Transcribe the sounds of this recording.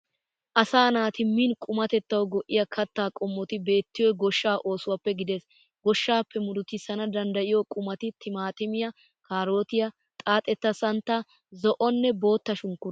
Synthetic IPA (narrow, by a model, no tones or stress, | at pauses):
ʔɐsaːnaːt̪ɪmːinkʼʊmɐt̪ɛt̪ːɐwɡɔʔːɪjɐkʰɐt̪ːaːkʼɔmːɔt̪ɪbe̞ːt̪ːɪjɔɡɔʃːaːʔo̞ːsʊwɐpːɛɡɪd̪ɛs | ɡɔʃːaːpːɛmʊɾʊt̪ɪsɐnɐd̪ɐnd̪ɐʔɪjɔkʼʊmɐt̪ɪt̪ʰɪmaːt̪ɪmɪjɐ | kaːɾo̞ːt̪ɪjɐ | t̪ʼaːt̪ʼɛt̪ːɐsɐnt̪ːɐ | zɔʔɔnːɛbo̞ːt̪ːɐʃʊŋkːʊɾ